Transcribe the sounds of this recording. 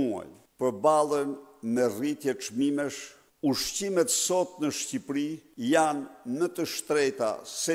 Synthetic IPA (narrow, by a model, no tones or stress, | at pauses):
ua̰j | pəɾbalˠənmɛrit̪jɛt͡ʃmimɛʃ | uʃcimɛt̪sɔt̪nəʃcipɾijanːət̪əʃt̪ɾɛt̪a̰sɛ